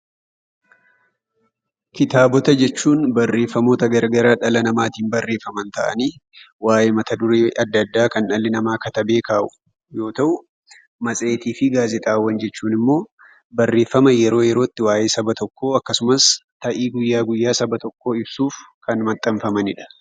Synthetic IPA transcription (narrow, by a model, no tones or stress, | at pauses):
kɪt̪aːbɔt̪ɐd͡ʒɛt͡ʃːuːnbɐrːe̞ːfːɐmoːt̪ɐɡɐɾɡɐɾaːᶑɐlɐnɐmaːt̪iːnbɐrːe̞ːfːɐmɐnt̪ɐʔɐ̰niː | waːʔeːmɐt̪ɐd̪ʊɾeɐd̪ːɐd̪ːaːkɐnʔɐlːɪnɐmaːkɐt̪ɐbe̞ːkaːʔʊ̥ | jo̞ːt̪ɐʔʊ | mɐsʼe̞ːt̪iːfɪɡaːzɛt̪ʼaːwːɐnd͡ʒɛt͡ʃːuːnɪmːo̞ː | bɐrːe̞ːfːɐmɐjɛɾo̞ːjɛɾo̞ːt̪ːɪwaːʔe̞ːsɐbɐt̪ɔkːo̞ːɐkːɐsʊmɐst̪ɐʔiːɡʊjːaːɡʊjːaːsɐbɐt̪ɔkːo̞ːɪbsuːf | kɐnmɐt̪ʼːɐɱfɐmɐnɪᶑɐ̥